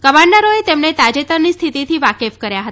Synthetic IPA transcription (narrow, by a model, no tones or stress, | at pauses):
kəmaɳɖəɾoet̪emɳet̪ad͡ʒet̪əɾnist̪ʰit̪it̪ʰiʋakefkəɾjaɦət̪a